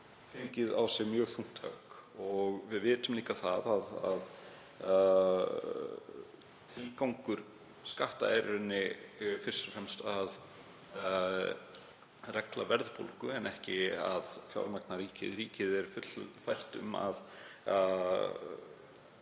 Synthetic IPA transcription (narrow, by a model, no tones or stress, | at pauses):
fɪŋcɪðawsjɛɣmjœːɣθuŋ̥t̪ʰa̰kɔɣvɪðvɪːt̪ʏmliːkaθaðaðað | t̪ʰɾiːkawŋkʏɾ̥ | skaht̪aɛjɾɾʏnːɪfɪ̥st̪ʏ̥fɾɛmst̪að | rɛklavɛɾðpo̰lkʏɛnʔɛhcɪa̰ðfja̰wɾmak̚naɾiːcɪ̰ðɾiːcɪðɛɾ̥fʏt̪fajr̥t̪ʏ̰ma̰ð